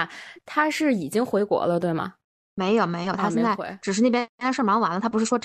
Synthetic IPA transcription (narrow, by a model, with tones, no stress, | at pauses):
t̪ʰa˥ʂɻ̩˥˩i˨˩t͡ɕi˥ŋxwe˧˥ɪkwɔ̰˧˥lə˧t̪we˥˩ɪmɐ̰˩ | me˧˥ɪjo˨˩ʊme˧˥ɪjo˨˩ʊt̪ʰa˥jnt͡sa˥˩ɪḛ˧˦ʈ͡ʂɻ̩˨˩ʂɻ̩˥˧ne˥˩pjɛ˥˧˥ʂə˥˩mɑ˧˥wa˧˥nlə˧t̪ʰa˥pu˧˥ʂɻ̩˥˩ʂwɔ˥